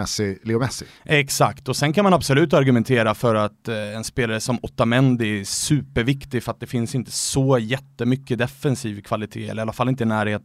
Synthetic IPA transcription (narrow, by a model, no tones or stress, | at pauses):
ɛsɪliɡʊmɛsɪʔɛksa̰kt̪ɔsɛnkʰanmanabsɔlʉ̟ːt̪aɾɡɵmɛnt̪ʰeːɾafœɾat̪ɛnspeːlaɾəsɔmɔt̪ːamɛnd̪sʉ̟ːpəɾvɪkt̪ɪɡfœɾat̪̚d̪ɛfɪnsɪnt̪ə̥sɔjɛt̪ːəmʏkːəd̪ɛfɛnsiːvkʰvalɪt̪ʰḛːɛ̰lːəɾalːafalːɪnt̪ənæːɾheːt̪